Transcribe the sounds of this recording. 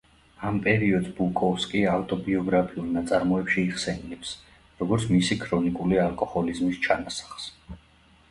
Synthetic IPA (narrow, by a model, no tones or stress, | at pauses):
ampʼɛɾiɔd̪zbukʼɔfskʼiawt̪ʼɔbiɔɡɾapʰiulˠnat̪sʼaɾmɔɛpʃiːʁsɛnilɛps | ɾɔɡɔɾt̪sʰmisikʰɾɔnikʼulialˠkʼɔhɔlizmist͡ʃʰanasḁχs